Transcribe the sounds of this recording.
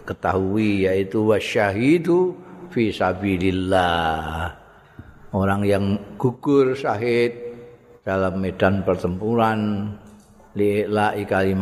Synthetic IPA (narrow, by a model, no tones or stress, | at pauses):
kət̪aɦuijait̪uwaʃaɦid̪ufisabililːa | ʔoɾaŋjaŋɡ̥ukʊrsaɦɪt̪̚ | d̥alamːedanpərt̪əmpuɾan | liʔɪʔlaʔikalim